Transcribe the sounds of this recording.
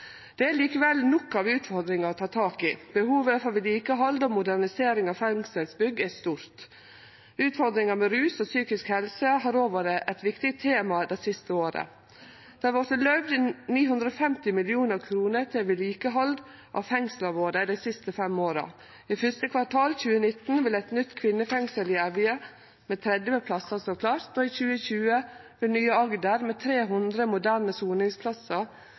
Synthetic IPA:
d̪̥ɛæliːkəʋɛlnɔkːɑːʋʉːt̪fɔɾd̪ɾɪŋɑɾɔt̪ʰɑːt̪ʰɑːkɪb̥əhuːʋəfɔɾʋɪliːkəɦɔld̪ɔmʊd̪æɾnɪseːɾɪŋɑʋfɛŋsəlsbʏɡːæst̪uːɾt̪ | ʉːt̪fɔɾd̪ɾɪŋɑmɛɾʉːsɔsyːkɪskhɛlsəɦɑːɾoːʋəɾəʔɛt̪ʋɪkt̪ɪt̪ʰeːmɑd̪ɛɪsɪst̪əoːɾə̰ | d̪̥ɛʋɔɾt̪əlœʋd̪ɪniːhʉnd̪ɾəɔːfɛmt̪ɪmɪlɪuːnəɾkʰɾuːnəɾt̪ʰɪlʋɪliːkəɦɔld̪ | ʔɑ̰fɛŋsləʋoːɾəd̪ɛɪsɪst̪əfɛmoːɾə̰ | ifʏst̪əkʰʋɑʈʰɑːlçʉːənɪt̪n̩ʋɪlɛɪt̪nʏt̪ːkʰʋɪnːəfɛŋsəlɪɑʋɪə | meːt̪ʰɾɛd̪ʋəpʰlɑsəsɔkʰlɑɾt̪ɔːiçʉːəɕʉːəʋɪlnyːəɑɡd̪əɾmeːt̪ʰɾeːɦʉnd̪ɾəmʊd̪æɾnəsuːnɪŋspʰlɑsəɾ

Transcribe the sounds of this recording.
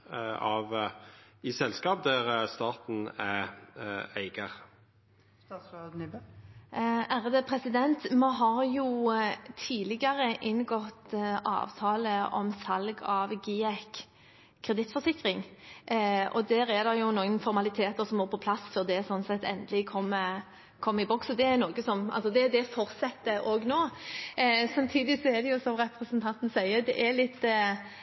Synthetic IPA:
ɑʋ | ɪsɛlskɑːp̚d̪æʁst̪ɑːt̪n̩æ | æɪɡəʁ | æɾəd̪əpʰɾɛsɪd̪ɛnt̪mɛɦɑɾjʊt̪ʰiːlɪɡɑʁəʔɪnːɡɔt̪ʔɑ̰ːʋt̪ʰɑːləʔɔ̰msɑlɡɑʋɡiɛkʰː | ɾɛd̪ɪt̪fɔsɪkɾɪŋ | ʔɔ̰d̪æːɾɛd̪ɛɾjʊnoːɡənfɔɾmɑlɪt̪ʰeːt̪əɾsɔmoːɾpʰɔpʰlɑsføʁd̪ɛsɔnsɛt̪ːɛ̰nd̪əlɪkʰɔmːə | kʰɔmːəɪbɔksɔd̪ɛæɾnoːɡəsɔmɑ̰lsɔd̪ɛd̪ɛfɔɾt̪sɛt̪ːəʔoːɡnoː | sɑmt̪ʰiːd̪ɪsɔɛɾd̪ɛjʊsɔmɾɛpɾɛsənt̪ʰɑnt̪n̩sæɪəd̪ɛʔɛɾlɪt̪ː

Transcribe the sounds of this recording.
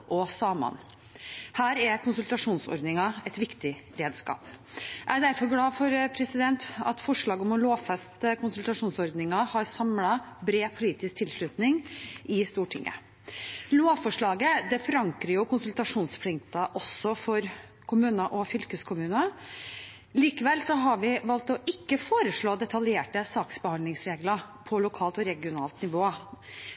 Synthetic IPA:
ʔɔsɑːmɑ̰n | hæːɾɛkʰʊnsʉlt̪ɑʂuːnsɔ̰ɾd̪nɪŋɑɛt̪ʋɪkt̪ɪɾeːd̪skɑ̰ːpʔæɖæɾfɔɾɡlɑːfɔɾpʰɾɛsɪd̪ɛnt̪ɑ̰t̪fɔʂɭɑːɡɔmɔloːʋfɛst̪əkʰʊnsʉlt̪ɑʂuːnsɔɾd̪nɪŋɑhɑɾsɑmlɑ | bɾeːpʰʊliːt̪ɪsk̚t̪ʰɪlʂɭʉt̪nɪŋʔɪst̪uːʈʰɪ̰ŋːə̰ | loːʋfɔʂɭɑːɡəd̪ɛfɔɾɑŋkɾəjʊkʰʊnsʉlt̪ɑʂuːnspʰlɪŋt̪ɑʔɔsːɔfɔɾ | kʰʊmʉːnəʔɔfʏlkəskʰʊmʉːnɑ | liːkəʋɛlsɔɦɑɾʋɪʋɑlt̪ɔʔɪkːəfoːɾəʂɭoːd̪ɛt̪ɑljeːʈəsɑːksbəhɑnlɪŋsɾeːɡlɑpʰɔlʊkʰɑːlt̪ɔɾɛɡɪʊnɑ̰ːlt̪nɪʋoː

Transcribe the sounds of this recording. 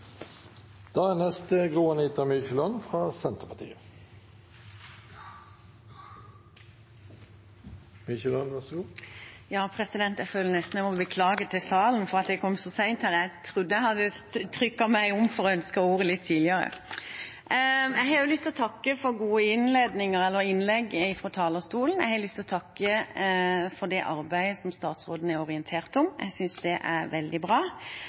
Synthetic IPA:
d̪̥ɑːænɛst̪əɡʁuːənit̪ɑmyːçəlɔnfʁɑːsɛnt̪əpʰɑt̪ʰḭːə | mʏçəlɔnʋæʁsɡuːjɑːpʰɾɛsɪd̪ɛnt̪jæføːlːənɛst̪n̩ɛmɔbəkʰlɑːɡət̪ʰːɪlsɑːln̩fɔʁɑt̪̚d̪ɛkʰɔmːsɔsæɪnt̪hæʁæɪt̪ʰɾʊd̪ːəæhɑd̪ːət̪ʰɾʏkːɑmæɪɔmfɔɾɔœnskəɔuːɾəlɪt̪ʰːiːlɪəɾə̰ | æɪɦɑjʊlʏst̪ɪlɔt̪ʰɑkːəfɔɾɡuːəɪnleːd̪nɪŋəɾɛlːəɾɪnlɛɡːɪfɾɔt̪ʰɑːləst̪uːln̩æ̰ɪhɑlʏst̪ɪlɔt̪ʰɑkːə | fɔɾd̪ɛʔɑɾbæɪəsɔmst̪ɑːt̪sɾoːd̪n̩æɾɔʁɪɛnt̪ʰeːʁt̪ɔmæ̰ɪsʏnsd̪ɛʔæɾʋɛld̪ɪbʁɑː

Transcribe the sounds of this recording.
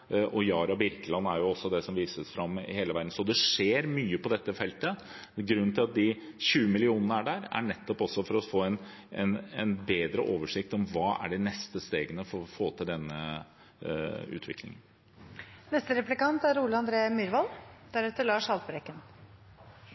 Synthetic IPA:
ʔɔjɑːɾɑbɪɾkəlɑnːæɾjʊɔsːɔd̪ɛsɔmʋiːsəsfɾɑmːheːləʋæɾd̪n̩sɔd̪ɛʂeːɾmyːəpɔd̪ɛt̪ːəfɛlt̪ə | ɡɾʉnːnt̪ʰɪlɑt̪̚d̪ɪɕʉːəmɪlɪuːnənəæɖæɾæ̰ɳɛt̪ːɔpɔsːɔfɔɾɔfoːɛnɛnɛnbeːd̪ɾə̰ʔoːʋəʂɪkt̪ɔmʋɑːæ̰ɖɛnɛst̪əst̪eːɡənəfɔɾɔfoːt̪ʰɪld̪ɛnːə | ʉ̰ːt̪ʰʋɪ̰klɪ̰ŋən | nɛst̪əɾɛplɪkɑnt̪æɾuːləɑnd̪ɾeːmyɾʋɑld̪æɾɛt̪ːəɭɑːʂɑlt̪pəɾɛkːən

